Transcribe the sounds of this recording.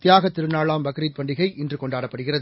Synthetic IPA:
t̪ɪjaːɣɐt̪ːɪɾɯnaːɭaːmbɐkɾiːt̪̚pɐɳɖɪɣɐɪʔɪndrɯkɔɳɖaːɽɐpːɐɽɯɣɪrɐðɯ

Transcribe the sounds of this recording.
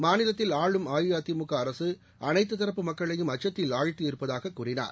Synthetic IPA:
maːnɪlɐt̪ːɪlaːɻɯmaːjɯjaːt̪imʊkːɐːɾɐsɯ | ʔɐnɐɪt̪ːɯt̪ɐɾɐpːɯmɐkːɐɭɐjɯmɐt͡ʃːɐt̪ːɪlaːɻt̪ːiɪɾɯpːɐðaːɣɐkːuːrɪna̰ːɾ

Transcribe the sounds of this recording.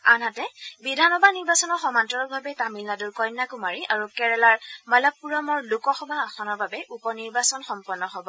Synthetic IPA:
anɦatɛbidʱanɔbʱaniɹbasɔnɔxɔmantɔɹɔk̚bʱabɛtamilnaduɹkɔjnːakumaɹiʔaɹukɛɹɛlaɹmalapuɹɔmɔɹlukɔxɔbʱaːxʰɔnɔɹbabɛʔupɔniɹbasɔnxɔmpɔnːɔɦɔbɔ

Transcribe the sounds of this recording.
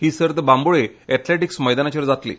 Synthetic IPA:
ɦiːsəɾt̪bamboɭeɛʈ̪leʈiksməjd̪anat͡ɕʋəɾd͡zat̪lḭː

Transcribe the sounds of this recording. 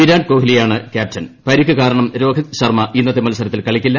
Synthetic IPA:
iɾaːnko̞ːɦilijaːɳɨkʲaːp̚tɐnpɐɾikʲːɨkaːɾɐɳɐmɾo̞ːɡɐt̪ɕɐrmɐʔinːɐt̪ːemɐlɐsɐɾɐt̪ːilkɐɭikʲːilːɐ

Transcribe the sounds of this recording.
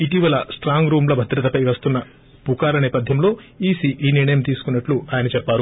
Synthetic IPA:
iʈiːʋɐlɐsʈɾaːŋɡɾuːmlɐbʱɐd̪ɾɐt̪ɐpɐjʋɐst̪unːɐ | pukaːlɐnɛːpɐd̪ʱjɐmlo̞ːiːsiːʔiːniɾɳɐjɐmt̪iːsu̥kunːɐʈluaːjɐnɐt͡ʃɛpːaːɾu

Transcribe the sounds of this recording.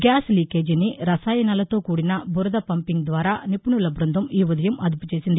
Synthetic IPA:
ɡjaːsliːkeːd͡ʒinːiɾɐsaːjɐnɐlɐt̪o̞ːkuːɽinɐbʱuɾɐd̪ɐpɐmpiŋɡd̪ʋaːɾaːnipuɳulɐbɾɐnd̪ʱɐmiːʋɐd̪ɐjɐmʔɐd̪uput͡ʃeːsind̪i

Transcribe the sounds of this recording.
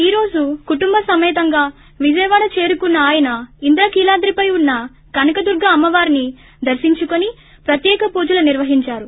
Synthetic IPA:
iːɾo̞ːd͡ʒukuʈumbɐsɐmɛːt̪ɐŋɡaː | ʋid͡ʒɐjɐʋaːɽɐt͡ʃe̞ːɾukunːɐːjɐnɐind̪ɾɐkiːlaːd̪ɾipɐjunːɐ | kɐnɐkɐd̪uɾɡʱɐːmːɐʋaːɾini | d̪ɐɾʃiɲt͡ʃukoni | pɾɐt̪jɛːkɐpuːd͡ʒɐlɐniɾʋɐɦiɲt͡ʃaːɾu

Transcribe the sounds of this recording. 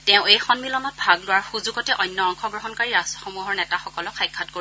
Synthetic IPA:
tɛ̃ʊ̃ejxɔnmilɔnɔt̚bʱaɡlʊwaɹxuzuɡɔtɛʔɔjnːɔɔŋxɔɡɹoɦɔnkaɹiɹasɔxomuɦɔɹnɛtaxɔkɔlɔkʰːajkʰːat̚ko

